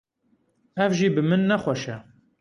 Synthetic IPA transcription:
ɛvʒiːbɨmɨnːɛxʷɛʃɛ

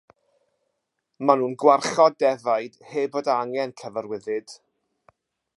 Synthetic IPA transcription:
manuːnɡwarχɔdɛvajd̥heːboːdəaŋɛnkʰəvəɾwɪðɨd̥

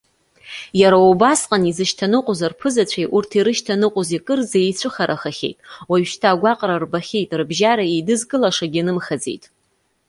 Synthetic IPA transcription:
jaɾaubasqʼanizɨʃtʰanɨqʷʼozarpʰɨzat͡ɕʷʰajʔurtʰiɾɨʃtʰanɨqʼozikʼɨrzaejt͡ɕʷʰɨχaɾʔaχaχʲḛjtʼwaɥʃtʰaːɡʷaqʼrarbaχʲejtʼrɨbʒaɾaejdɨzɡɨlaʂaɡʲinɨmχad͡zḛjtʼ

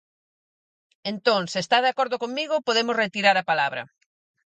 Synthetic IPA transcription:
ent̪õŋsɪest̪aðeakoɾðʊkoŋmiɣʊpoðemʊsret̪iɾaɾɐpalaβɾɐ̰

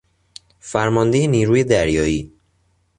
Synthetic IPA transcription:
fæɾmɒnd̪ejeniːɾuːje̞d̪æɾjɒːjiː

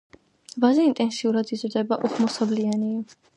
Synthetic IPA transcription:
vazɛint̪ʼɛnsiuɾad̪izɾd̪ɛbaʔuχmɔsabliani

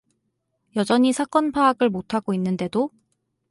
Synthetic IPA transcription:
jʌd͡ʑʌɲisʰak͈ʌnpʰaːɡɯɭmotʰaɡoinːɯnde̞do

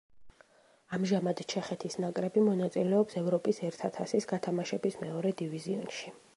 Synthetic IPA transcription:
amʒamad̪t͡ʃʰɛχɛt̪ʰisnakʼɾɛbimɔnat̪sʼilɛɔpsɛvɾɔpʼisɛɾt̪ʰat̪ʰasisɡat̪ʰamaʃɛbismɛɔɾɛd̪iviziɔnʃi

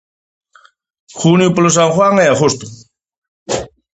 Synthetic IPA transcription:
xunjupolos̬aŋxwaŋeaɣost̪ʊ̥

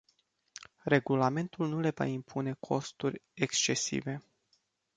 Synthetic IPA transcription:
re̞ɡulame̞nt̪ulnule̞va̰impʰune̞kʰo̞st̪urʲekst͡ʃe̞sḭve̞

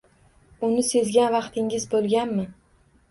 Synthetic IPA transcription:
ʊnɪse̞zɡʲanvɑqt̪ʰɪŋʲɪzbolˠɡʲanmɪ

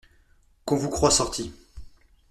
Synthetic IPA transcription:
kɔ̃vukχwasɔʁt̪ʰi

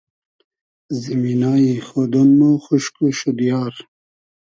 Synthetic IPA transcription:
ziminaːixod̪onmoxuʃkuʃud̪ijaːɾ

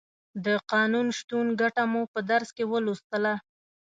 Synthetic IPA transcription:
d̪əqɑnunʃt̪unɡaʈamupəd̪aɾskewəlust̪əla

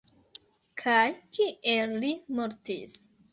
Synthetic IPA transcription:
kʰajkiellimoɾtḭs

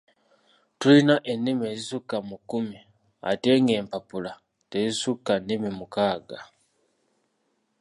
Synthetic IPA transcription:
tuinaʔenːimezisukamukumi | a̰teːŋɡeːmpapula | tezisukanimimukaːɡa

